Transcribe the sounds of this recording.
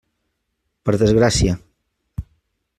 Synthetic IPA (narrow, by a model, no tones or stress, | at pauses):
pəɾðəzɣɾasja